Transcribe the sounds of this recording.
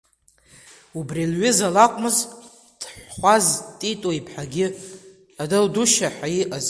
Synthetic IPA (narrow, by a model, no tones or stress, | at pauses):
ubrilɥɪzalakʷʼmɨz | d̥ʰħχʷaztʼitʼoipʰħaɡʲɪ | adɨlduʃaħajiʔaz